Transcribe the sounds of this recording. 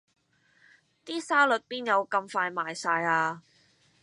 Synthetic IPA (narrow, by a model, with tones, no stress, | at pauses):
t̪iː˥saː˥lɵ˨t̚piː˥njɐ˨˧wkɐ˧mfaː˧jmaː˨jsaː˧jaː˧